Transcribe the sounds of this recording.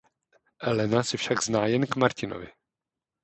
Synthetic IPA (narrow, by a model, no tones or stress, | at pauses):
ʔɛlɛnasɪfʃaɡznaːjɛnkmaɾcɪno̰vɪ̰